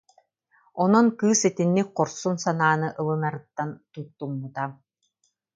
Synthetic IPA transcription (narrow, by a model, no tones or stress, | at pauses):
ɔnɔnkɯːsit̪inːik̚qɔɾsunsanaːnɯʔɯlˠɯnaɾɯt̪ːant̪ujt̪ːuŋmɯt̪a